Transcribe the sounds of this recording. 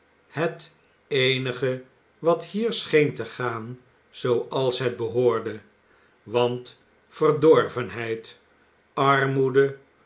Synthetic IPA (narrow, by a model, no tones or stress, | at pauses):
hət | ejnəχə | ʋɑthiːɹsχejntəχaːn | z̥owɑlˠsɦɛd̚bəɦoːɹdə | ʋɑnt | fərdɔɹvənɦɛjt | ɑrmudə